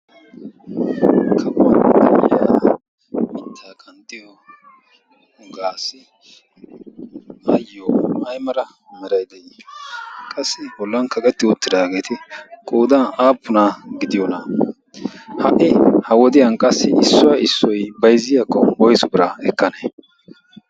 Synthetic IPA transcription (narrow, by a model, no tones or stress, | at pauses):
kʰɐbʊwɐnɐmja | t̪ʰːaːkʼɐnt̪ːɪjɔ | ɡaːsːɪ | ʔɐjːɔɐjmɐɾɐ | mɛɾɐjd̪ɛj | kʼɐsːɪbɔlːɐnkɐkʼɛt̪ːɪʊt̪ːɪd̪aːɡe̞ːt̪ɪkʼoːd̪ɐnaːpːʊnaɡɪd̪ɪjɔnɐ | hɐʔɪhɐwɔd̪ɪjɐnkʼɐsːɪ̰ɪsːɔwɐɪsːɔjbɐjzɪjakːɔbɔjsʊbɪɾɐɛkːɐneː